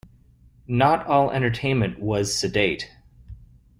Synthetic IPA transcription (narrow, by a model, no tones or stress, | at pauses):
nəɾɔlˠɛ̰̃ɾ̃tə˞tʰẽɪ̃nmɨ̃nʔwʌz̥sɨdeɪt